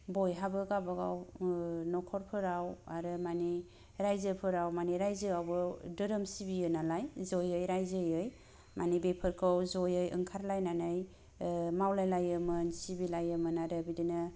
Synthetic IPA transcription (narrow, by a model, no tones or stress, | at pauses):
bɔjɦabɯɡabaɡawnɔkʰɔɾpʰɯɾawaɾɯmani | ɾajzɯpʰɯɾawmaniɾajzɯawbɯdɯɾɯmsibijɯnalajzɔjɯjɾajzɯjɯj | manibepʰɯɾkʰɯwzɔjɯjɯ̰ŋkʰaɾlajnanɯj | mawlajlajɯmɯnsibilajɯmɯnaɾɯbidinɯ